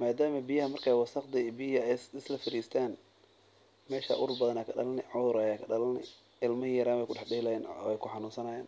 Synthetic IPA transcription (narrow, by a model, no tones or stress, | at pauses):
maːd̪aːmɐbɪjɐɦɐmɐrkʰaːwɐsɐqd̪ɪbiɛsɪslɐfɪɾiːst̪ʰaːn | mɛːʃa̰ːʔʊɾbɐðɐnaːkʰɐɖɐlɐnɪʕɔðʊɾaːjaːkʰɐɖɐlɐlnɪ̰ | ɪlmɐhijɐɾaːmɛjkʰʊɖɑħɖɪlɐjɛːnɔ̰ːɛjkʰʊħɑnuːnsɐnɐjaːn